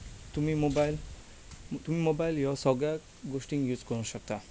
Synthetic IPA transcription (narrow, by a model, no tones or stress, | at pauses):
t̪umimobajl | t̪umimobajljɔsɔɡa | ɡosʈiŋjuzkɔnunʃak̚t̪ʰa